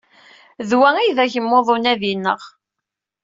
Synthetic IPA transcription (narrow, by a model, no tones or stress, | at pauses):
ðwæijðæçəmːoðˤonæðinːə̰ʁ